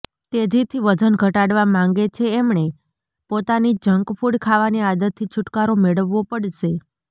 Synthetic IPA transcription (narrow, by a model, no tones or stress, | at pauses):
t̪ed͡ʒit̪ʰiʋəd͡ʒənɡʱəʈaɽʋamãŋɡet͡ʃʰeːmɳe | pot̪anid͡ʒəŋɡpʰuɽkʰaʋaniad̪ət̪ʰːit͡ʃʰʊʈkaɾomeɭəʋːopəɽʃe